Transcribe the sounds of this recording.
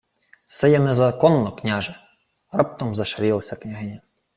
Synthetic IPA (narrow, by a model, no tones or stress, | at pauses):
sɛjɛnɛzɐkɔnːɔknʲaʒɛ | rɑp̚t̪ɔmzɐʃɐɾʲilˠɐsʲɐknʲɐɦɪnʲɐ